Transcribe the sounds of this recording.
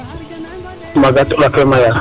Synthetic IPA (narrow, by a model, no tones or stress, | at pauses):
maɡatulakɛmaja